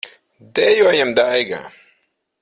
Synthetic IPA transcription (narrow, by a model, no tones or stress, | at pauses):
d̪ɛjuɔjɛmd̪ajɡa̰